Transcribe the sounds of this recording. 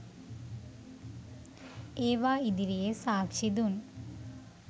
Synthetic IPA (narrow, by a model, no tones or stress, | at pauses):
eːʋaːid̪iɾijesaːkʂid̪un